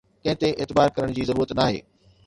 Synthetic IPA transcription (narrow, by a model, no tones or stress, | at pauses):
kɐ̃ɦɪ̃t̪eʔɪːt̪ɪbaːɾkɐɾəɽ̃d͡ʑiːzɐɾuːɾət̪naːɦḛː